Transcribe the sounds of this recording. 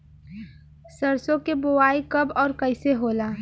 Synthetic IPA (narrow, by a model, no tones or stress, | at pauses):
səɾsõkebowaːikɐbɔːɾkəɪseɦoːlaː